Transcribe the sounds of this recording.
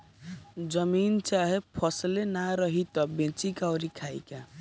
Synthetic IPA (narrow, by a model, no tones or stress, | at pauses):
d͡ʒʌmint͡ʃaɦepʰʌslenaɾʌɦit̪ɔbẽt͡ʃikawɾikʰajka